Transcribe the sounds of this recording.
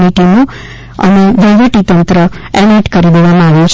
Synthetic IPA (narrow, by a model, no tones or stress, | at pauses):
niʈimo | ə̰meʋəʋəʈit̪ənt̪ɾəɛniʈkəɾid̪eʋamãaʋjũt͡ʃʰ